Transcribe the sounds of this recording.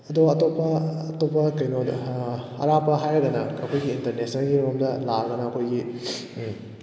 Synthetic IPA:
ɐdoɐtopːɐɐtopːɐkɐjno | ɐ̰ɾapɐɦajadɐnɐɐkʰojɡiːntɐɾnesnɐnɡiɾuɐmdɐlaɾɡɐnɐɐkʰojɡi

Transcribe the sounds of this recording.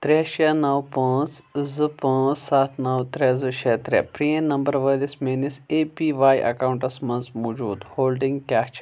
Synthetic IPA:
t̪ɾeʃenɐwpãːt͡szɨpɐ̃ːzsaːt̪ʰnɐwt̪ɾʲɛzɨʃɛt̪ɾʲɛ̰pɾiẽnɐmbɐɾʋəlismenisepiʋaːjʔɐ̰kaːwuɳʈɐsmɐnzmoːd͡ʒuːd̪hoːlɖiŋɡkʲaːt͡ʃ

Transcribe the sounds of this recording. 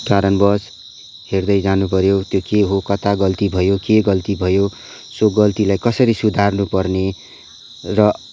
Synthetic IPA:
kaɾʌnbʌs | herd̪ʌjd͡zanupʌɾjot̪jokeɦokʌt̪aɡʌlt̪ibʱʌjokeɡʌlt̪ibʱʌjo | soɡʌlt̪ilajkʌsʌɾisud̪ʱarnupʌrne | rʌ

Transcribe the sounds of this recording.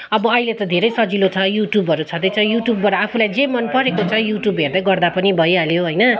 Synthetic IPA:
ʌbʌʌilet̪ʌd̪ʱeɾʌjsʌd͡zilot͡sʰʌjuʈjubʌɾut͡sʰʌd̪ʌjt͡sʰʌjuʈjubːʌɾʌapʰulajd͡zemʌnpʌɾekot͡sʰʌjuʈjubɦerd̪ʌɡʌrd̪apʌnibʱʌjaljoɦojnʌ

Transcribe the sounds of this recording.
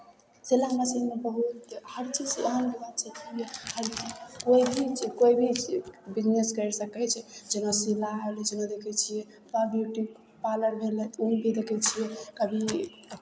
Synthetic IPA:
selamesimebəɦut̪həɾt͡ʃid͡ʒəɦənbibad̪t͡ʃʰɛt̪ʰibehəɾd͡ʒikoibʱit͡ʃkoibʱibid͡ʒneskəɾsəkɛt͡ʃʰɛd͡ʒenasilaɦeld͡ʒenãd̪ekʰɛt͡ʃʰijɛ | pabjuʈik | paləɾbʱeleumbʱid̪ekʰɛt͡ʃʰijɛkəbʱi

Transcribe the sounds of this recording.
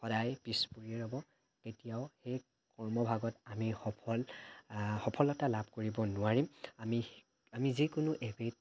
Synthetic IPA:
xɔdajpispuɹieɹɔbɔ | ketijaʊxej | kɔɹmɔbʱaɡɔtamixɔpʰɔl | xɔpʰɔlɔtalabʱkoɹibɔnʊaɹimami | amizikʊnʊʔebet̚

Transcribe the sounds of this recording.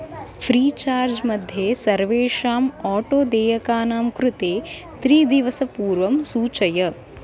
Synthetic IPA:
pʰɾiːt͡ʃaːɾd͡ʒmɐd̪ʱjeːsɐɾʋeːʂaːmaːʈoːd̪eːjɐkaːnaːmkɾut̪eː | t̪ɾiːd̪iʋɐsɐpuːɾʋɐmsuːt͡ʃɐjɐ

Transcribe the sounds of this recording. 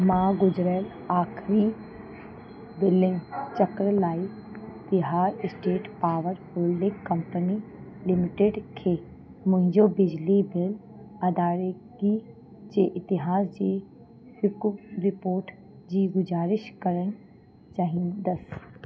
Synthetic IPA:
mãːɡʊzɾəl | aːkʰɾi | bɪlɖɪ̃ŋɡt͡ʃɐkɾlaːi | t̪ɪɦaːɾɪsʈeːʈpaːʋəɾbʊlɖɪ̃ŋɡkɐ̃mpənilɪmɪʈeɖkʰeː | mʊ̃ɦɪ̃ɲd͡ʑobɪd͡ʑlibɪl | ɐd̪aːɾ | ɡi | d͡ʑeːʔɪt̪ɪɦaːsd͡ʑeː | ɾɪpoːɾʈ | d͡ʑiːɡʊzaːɾɪʃkɐɾəñ | t͡ʃaːɦĩːnd̪əs

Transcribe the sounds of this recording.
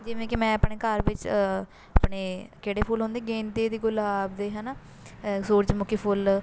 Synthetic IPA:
d͡ʒɪʋẽːkimɛ̃ːəpɳeːkəɾʋɪt͡ʃ | apɳeːkeːɽeːpʰuːlɦõːnd̪eːɡẽːnd̪eːd̪iːɡʊlaːbd̪eːɦɛːnaː | soːɾd͡ʒmʊkʰiːpʰʊːl

